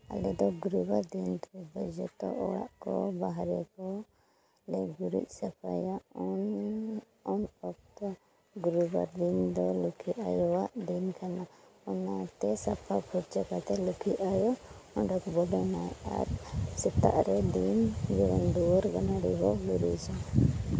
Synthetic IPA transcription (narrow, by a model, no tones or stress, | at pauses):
a̰lɛd̪ɔɡuɾubaɾd̪int̪ɾɛbəd͡ʒɛt̪ɔ̰ʔɔɽa̰ʔkɔ̰baɦɾɛkɔ | lɛɡuɾḭc̚sɛpʰa̰jaʔɔn | ɔnɔk̚t̪a | ɡuɾubaɾd̪ind̪ɔlukʰiajɔwaʔd̪inkanaɔnat̪ɛsapʰapʰuɾt͡ʃakat̪ɛlukʰiajɔɔnɖɔkbɔɖɔnaja̰ɾsɛt̪a̰ʔɾɛd̪ind͡ʒɛwand̪uɾɡanaɾiɦɔɡuɾiʔsa